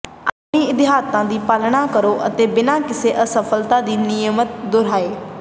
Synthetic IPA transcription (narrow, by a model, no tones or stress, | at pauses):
aːppɽ̃iːɪt̪ɪɦaːt̪ãːd̪iːpaːlɽ̃ãːkəɾoːʔət̪eːbɪnãːkɪseʔəsəfʰəlt̪ãːd̪iːnɪjəmət̪̚d̪ʊɾaːeː